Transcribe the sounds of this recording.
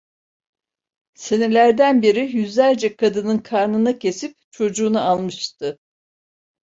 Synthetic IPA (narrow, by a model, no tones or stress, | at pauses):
se̞ne̞lʲæɾd̪ænbiɾijyzlʲæɾd͡ʒɛkʰad̪ɯnɯnkʰaɾnɯnacʰe̞sip̚t͡ʃʰo̞d͡ʒuːnualˠmɯʃt̪ʰɯ